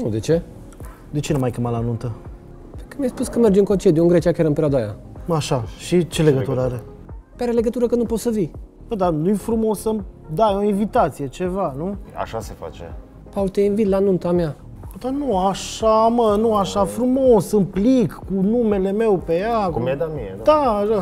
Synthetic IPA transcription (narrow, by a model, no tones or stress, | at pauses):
nud̪et͡ʃe̞ | d̪et͡ʃenumajkemalanunt̪ə | pekəmijajspuskəme̞rd͡ʒɨŋko̞t͡ʃed̪junŋɡɾe̞t͡ʃiakʲaɾɨmpeɾead̪aja̰ | aʃaʃit͡ʃe̞leɡət̪uɾəaɾe | peaɾeleɡət̪uɾəkənupot̪səvi | bəd̪anujfɾumo̞səm | d̪ajeoinvit̪at̪sije̞t͡ʃe̞vanua̰ʃasefa̰t͡ʃe | pault̪einvit̪lanunt̪amea | d̪anuaʃamənuaʃafɾumosɨmplikkunume̞le̞me̞wpejakkumd̪amied̪aa